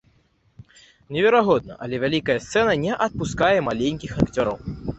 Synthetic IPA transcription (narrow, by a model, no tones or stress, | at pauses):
nʲɛvʲɛɾaɣɔd̪̚nɐ̰ʔɐlʲɛvʲalʲikɐjɐst̪sɛnɐnʲɛʔɐt̪̚puskajɛmalʲenʲkʲixakt͡sʲɔɾɐ̰w